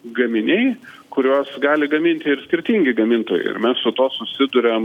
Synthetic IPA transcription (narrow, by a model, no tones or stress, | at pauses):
ɡɐmʲɪnʲɛɪ | kʊɾʲoːsɡɑːlʲɪɡɐmʲɪnʲt̪ʲɪɪɾsʲkʲɪɾʲt̪ʲiŋʲɡʲɪɡɐmʲɪnt̪oːjɛ̰ɪɪ̰mʲɛssʊt̪oːsʊsʲɪd̪ʊɾʲɛm